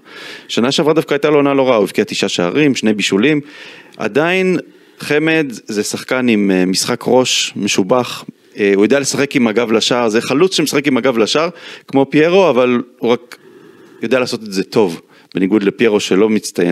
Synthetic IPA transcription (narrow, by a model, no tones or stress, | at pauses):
ʃanaʃeavʁad̪afkajt̪aleonalo̞ʁaivkiat̪iʃaʃaːʁimʃne̞jbiʃulimʔa̰dain | χe̞me̞dzesaχkanimemːisχakʁo̞ʃme̞ʃubaχ | ujo̞deale̞saχe̞kimaɡavlaʃaʁzeχalut͡sʃemesaχekimaɡavlaʃaʁkmo̞pje̞ʁo̞avalhuʁak | jodealaːso̞t̪etze̞t̪o̞v | be̞niɡudlepje̞ʁo̞ʃelo̞mit͡st̪aje